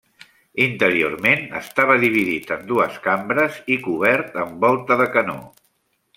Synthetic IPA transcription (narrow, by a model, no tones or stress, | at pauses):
int̪əɾio̰ɾmenə̰st̪aβ̞əðiβ̞iðit̪ənd̪uəskambɾəzikuβ̞ɛɾt̪əmbɔlˠt̪əðəkəno̰